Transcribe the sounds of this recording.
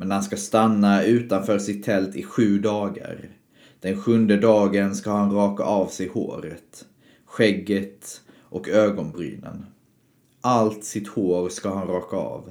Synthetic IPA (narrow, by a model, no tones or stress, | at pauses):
mɛnhanskast̪anːaʉ̟ːt̪anfœːɾʂɪt̪ʰːɛlt̪ɪɧʉ̟ːd̪ɑːɡə̰ɾ | d̪̥ɛnɧɵnd̪əd̪ɑːɡənskahanɾɑːka̰ʔɑvsɛjho̰ːɾə̰t̪ | ɧɛɡːət̪ | ʔɔkøːɡɔnbɾy̰ːnə̰n | ʔalt̪sɪt̪hoːɾskaɦanɾɑːkaɑ̰ːv